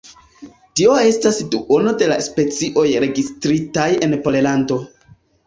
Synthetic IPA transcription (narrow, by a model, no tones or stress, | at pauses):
tio̞e̞stasduʔo̞no̞de̞laspe̞t͡siʔo̞jɾe̞ɡistɾitaje̞npo̞lelando̞